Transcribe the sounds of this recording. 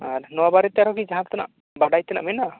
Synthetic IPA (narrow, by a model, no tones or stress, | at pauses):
aɾnɔabaɾɛt̪aɾɔkid͡ʒaɦãpt̪ana̰ʔ | baɖajt̪ɛna̰ʔmɛna